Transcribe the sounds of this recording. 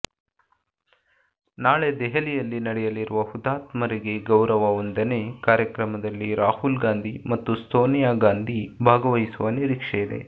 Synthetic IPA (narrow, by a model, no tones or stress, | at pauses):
naːɭed̪ɛɦɐlijɐlːinɐɽɛjɐliɾuʋɐhud̪aːt̪mɐɾiɡe̞ɡɐwɾɐʋɐond̪ɐne̞kaːɾjɐkɾɐmɐd̪ɐlːiɾaːhulɡaːnd̪ʱimɐt̪ːust̪ʰoːnijaːɡaːnd̪ʱibʱaːɡɐʋɐjisuʋɐniɾikʂɛjid̪e̞̰